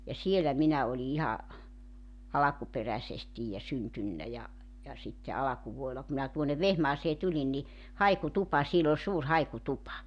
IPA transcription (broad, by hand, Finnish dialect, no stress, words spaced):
jɑ sielæ minæ oli ihɑ ɑlɑkuperæsestij jɑ syntynːæ jɑ jɑ sitːe ɑlɑkuʋuoelɑ ku minæ tuonˑeʋ ʋehmɑːseː tulin ni hɑikutupɑ siel ol suːr hɑikutupɑ